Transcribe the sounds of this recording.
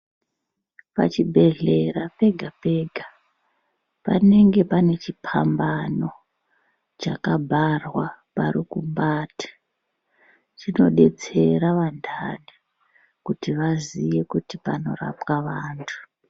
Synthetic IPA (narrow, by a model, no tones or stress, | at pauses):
pa̰t͡ʃibʱe̞ɮe̞rape̞ɡʱape̞ɡʱa | pa̰ne̞ŋɡe̞pane̞t͡ʃipʰambano̞ | t͡ʃakabʱarwaparikumbaːtḁ | t͡ʃino̞ɗe̞t͡se̞ɾaʋandʱali | kutiʋaziʋe̞kutipano̞̰ra̰pwaʋaːntʰu̥